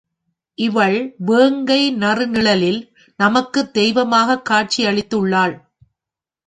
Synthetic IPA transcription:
ʔɪʋɐɭʋeːŋɡɐɪnɐrɯnɪɭɐlɪl | nɐmɐkːɯd̪ɛjʋɐmaːɣɐkːaːʈ̚t͡ʃiɐɭɪt̪ːɯɭːaːɭ

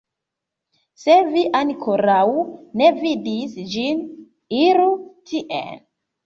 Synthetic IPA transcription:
seviʔankʰoɾawne̞vidisd͡ʒin | iɾutʰiʔḛn

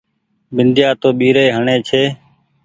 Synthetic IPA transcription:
bɪnd̪ʱjaːt̪oːɓiːɾeːɦəɳeːt͡ʃʰeː

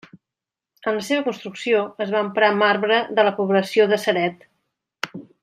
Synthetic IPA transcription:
ənləseβəkunst̪ɾuksioəzβaːmpɾamaɾβɾəðələpuβləsioðəsəɾɛt̪

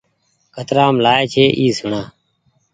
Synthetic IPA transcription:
kʰət̪ɾaːmlaːeːt͡ʃʰeːʔiːsʊɳaː

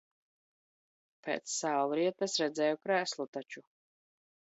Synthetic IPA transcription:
pʰɛ̰ːt̪ssawlˠɾiɛt̪ɐsɾɛd̪zɛːjɔkɾæːslˠut̪at͡ʃu

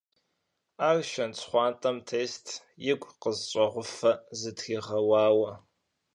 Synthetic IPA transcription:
aːrʃɐnt͡sʰʼχʷɑːntʼɐmtʰeːstʰ | jɪkʷʼqəzt͡ʃʷʼɐʁʷʊfɐzɨtxiːʁɐwɑːwɐ

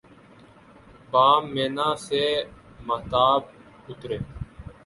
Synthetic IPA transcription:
baːmːeːnãːseː | məːt̪aːb̚ | ʊt̪ɾeː

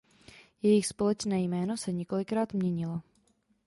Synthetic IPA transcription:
jɛjɪxspo̞lɛt͡ʃnɛːjmɛːno̞sɛɲɛko̞lɪkɾaːt̪mɲɛɲɪla

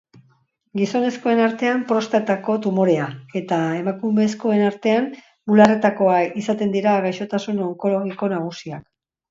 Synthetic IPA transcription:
ɡiso̞ne̞sko̞e̞naɾt̪e̞ampɾo̞st̪at̪ako̞t̪umo̞ɾe̞ae̞t̪ae̞makume̞sko̞e̞naɾt̪e̞an | ulare̞t̪ako̞aisat̪e̞nd̪iɾaːɣajʃo̞t̪asuno̞ŋko̞lo̞ɣ̞iko̞naɣ̞usiak

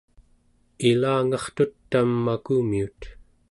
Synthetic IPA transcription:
ilaːŋɑχt̪ut̪ːamːakumiut̪

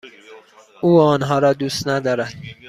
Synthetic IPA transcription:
uːɒːnɦɒːɾɒːd̪uːst̪næd̪ɒːɾæd̪̥

